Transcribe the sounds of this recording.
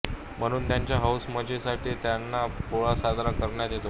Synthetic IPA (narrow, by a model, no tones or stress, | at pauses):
m̤əɽ̃uːnt̪jaɲt͡ɕjaɦawsməd͡ʑesaʈʰiːt̪janːapoɭasad̪ɾakəɾɳjat̪jet̪o